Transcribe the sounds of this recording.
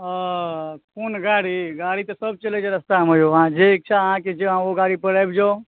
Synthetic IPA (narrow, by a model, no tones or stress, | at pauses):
kunɡaːɽiɡaːɽit̪ɐsəb̚t͡ʃəled͡ʒeɾəst̪amojoɦãd͡ʒeek̚t͡ʃʰaɦãked͡ʒeɦãoɡaːɽipəɾajbd͡ʒo